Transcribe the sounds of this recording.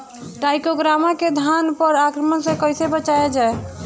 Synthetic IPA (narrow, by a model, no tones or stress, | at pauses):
ʈajkoɡɾamaked̪ʱanpəɾakɾəmənsẽkəjsebət͡ʃaed͡ʒae